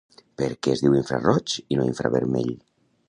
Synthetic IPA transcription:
peɾkɛːzðiwiɱfɾa̰rɔt͡ʃinoiɱfɾa̰βeɾmɛ̰ʎ

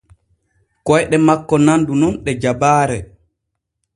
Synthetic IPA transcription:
kɔjɗɛmakːɔnandununɗɛd͡ʒabaːɾɛ

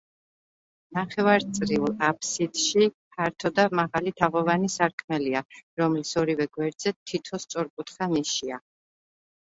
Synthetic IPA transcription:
naχɛvaɾt̪sʼɾiulˠapʰsid̪̥ʃipʰaɾt̪ʰɔd̪amaʁalit̪ʰaʁɔvanisaɾkʰmɛliaɾɔmlisɔɾivɛɡwɛɾd̪zɛt̪ʰːit̪ʰɔst̪sʼɔɾkʼut̪χamiʃia

